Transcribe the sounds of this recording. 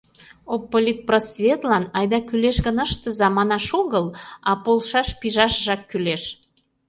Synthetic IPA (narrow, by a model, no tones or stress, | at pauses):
opːolʲit̪̚prosvʲet̪lɑnɑjd̪ɑkyleʃɣənəʃt̪ə̆zɑmɑnɑʃoɣəlɑpolʃɑʃpiʒɑʃʒɑkːyleʃ